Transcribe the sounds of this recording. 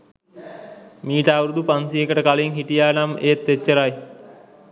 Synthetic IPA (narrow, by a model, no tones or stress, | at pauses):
miːʈəawɾud̪upansiekəʈəkaliŋɦiʈijaːnamet̪ːet͡ʃːəɾaj